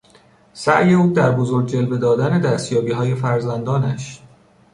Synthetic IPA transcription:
sæʔje̞uːd̪æɾbozoɾɟ̚d͡ʒe̞lbe̞d̪ɒːd̪æne̞d̪æːst̪jɒːbiːɦɒːje̞fæɾzænd̪ɒːnæʃ

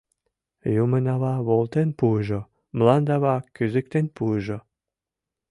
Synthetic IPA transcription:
jumə̆nɑβɑβolˠt̪enpuʒo | mlɑnd̪ɑβɑkyzɘk̚t̪enpuʒo

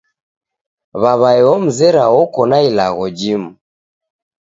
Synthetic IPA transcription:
βaβaɛɔm̩zɛɾaɔkɔnailaɣɔd͡ʒimu

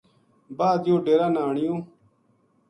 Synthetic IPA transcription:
baːd̪joːɖeːɾaːnaːɳijõː

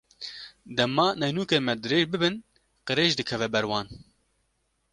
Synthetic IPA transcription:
d̪ɛmːɑːnɛjnuːkemɛd̪ɨɾeːʒbɨbɨn | qɨɾeːʒd̪ɨkʰɛvɛbɛɾwɑːn

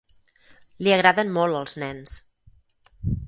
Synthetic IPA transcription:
liəɣɾaðənmɔlˠəlˠznɛns

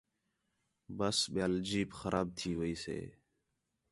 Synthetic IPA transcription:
bəsɓjaːld͡ʒiːpxəɾʔaːb̚t̪ʰiːʋəiːsḛː

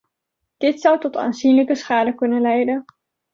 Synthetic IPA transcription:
d̥ɪtsʌwtɔta̰ːnzinləkəsχaːdəkɵnənlɛjdən

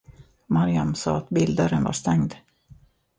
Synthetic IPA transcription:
maɾɪamsɑ̰ːat̪bɪld̪əɾənva̰ʂt̪ɛŋd̪

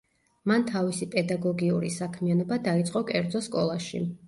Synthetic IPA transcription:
mant̪ʰavisipʼɛd̪aɡɔɡiuɾḭsakʰmianɔbad̪ait̪sʼqʼɔkʼɛɾd̪zɔskʼɔlˠaʃḭ

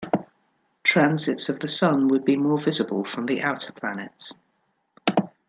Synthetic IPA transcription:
tʰɹ̥ãnzɪtsəvðəsʌ̃nwəd̚bimɔːvɪzəbə̰lˠfɹə̃mðiʔaʊtʰəpʰl̥anɪts

